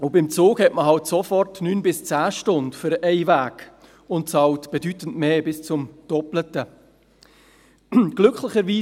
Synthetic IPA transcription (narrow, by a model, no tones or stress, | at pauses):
ʊbɪmt͡soːkhɛtməɦɑltsofɔrtnyːnbɪst͡sæːʃtʊndfʏɾʔɛɪvæːk | ʊntt͡sɑːltb̥ɛdytən̩tmeːbɪst͡sʊmd̥ɔplətə | ɡ̥lʏkχlɪχəɾʋiː